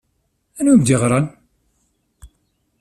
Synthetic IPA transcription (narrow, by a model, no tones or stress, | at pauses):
ænumd̪iʁɾˤɑn